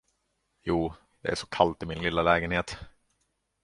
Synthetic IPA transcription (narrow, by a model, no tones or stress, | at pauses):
juː | d̪̥ɛæ̰ʂɔ̥kʰalt̪ɪmɪnlɪlːalɛːɡənheːt̪